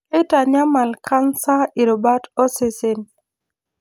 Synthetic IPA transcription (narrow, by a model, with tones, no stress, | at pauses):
ɪ˦ta˨ɲa˦ma˨lkʰa˦nsa˦i˨ɾɔ˨ba˦tɔ˦se˨sɪ˦n